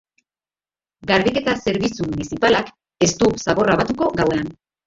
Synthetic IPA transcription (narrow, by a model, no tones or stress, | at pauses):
ɡaɾβike̞t̪ase̞ɾβit͡sumunisipalak | e̞st̪usaβo̞raβat̪uko̞ɡawe̞an